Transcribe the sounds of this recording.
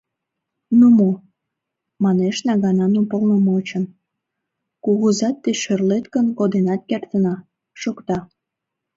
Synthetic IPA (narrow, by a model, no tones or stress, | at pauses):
numo | mɑneʃnɑɣɑnɑnupəlnəmot͡ɕən | kuɣuzɑt̪ːeʃørlet̪kənkod̪enɑt̪̚kert̪ənɑ | ʃokt̪ɑ